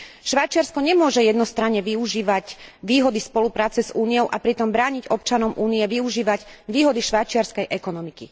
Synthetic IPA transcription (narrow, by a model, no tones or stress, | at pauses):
ʃʋajt͡ʃɪaɾskɔɲɛmʊɔʒɛjɛd̪nɔst̪ɾaɲːɛʋiuʒiːʋacʋiːɦɔd̪ispɔlupɾaːt͡sɛzuːniɔʊʔapɾit̪ɔmbɾaːɲiɟɔp̚t͡ʃanɔmʔuːnijɛʋiuʒiːʋaɟʋiːɦɔd̪iʃʋajt͡ʃɪaɾskɛjʔɛkɔnɔmiki